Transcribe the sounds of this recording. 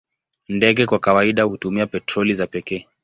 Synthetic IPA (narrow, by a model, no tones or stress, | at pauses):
ndɛɠɛkwakawaiɗahutumiapɛtɾɔlizapɛkɛː